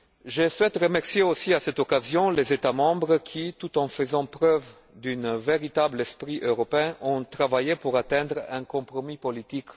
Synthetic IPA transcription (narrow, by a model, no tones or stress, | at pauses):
ʒəswɛt̪ʁəmɛʁsjeosiasɛt̪okazjɔ̃lezet̪amɑ̃bʁkʰit̪ut̪ɑ̃fəzɑ̃pʁœv | d̪ynveʁit̪ablɛspʁiʔøʁɔpeɛ̃ʔɔ̃t̪ʁavajepuʁat̪ɛ̃d̪ʁɛ̃kɔ̃pʁomipolit̪ik